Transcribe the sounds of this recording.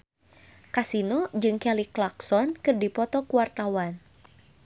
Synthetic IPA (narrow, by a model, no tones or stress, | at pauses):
kasinod͡ʒɨŋkɛliklaksɔnkɨrdipɔt̪ɔkuwart̪awan